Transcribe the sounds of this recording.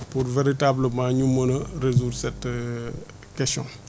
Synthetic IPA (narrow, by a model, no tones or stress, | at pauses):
puɾveɾitabləmãɲumənəɾezuːdsɛt | kɛstjɔ̰̃